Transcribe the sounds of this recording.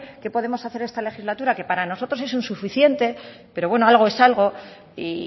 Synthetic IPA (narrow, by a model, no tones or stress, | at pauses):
ke̞po̞ð̞e̞mo̞saθe̞ɾe̞st̪ale̞xizlat̪uɾake̞paɾano̞so̞t̪ɾo̞se̞sunsufiθje̞nt̪e̞pe̞ɾo̞βwe̞no̞alɣ̞oe̞salɣ̞o̞ | i